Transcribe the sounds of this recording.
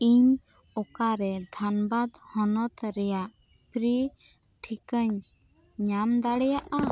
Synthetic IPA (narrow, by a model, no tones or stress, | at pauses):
iɲ | ɔkaɾɛd̪ʱanbad̪hɔnɔt̪ɾɛjaʔ | pɾi | ʈʰikəɲ | ɲamd̪aɽɛjaʔa